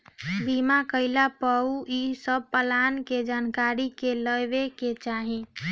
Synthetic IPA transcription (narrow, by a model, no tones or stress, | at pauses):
bimakəɪlapəuisəb̚pəlanked͡ʒankaɾikeləjbeket͡ʃaɦi